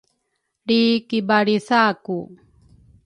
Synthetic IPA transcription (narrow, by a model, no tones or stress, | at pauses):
ɽikibaɽisaku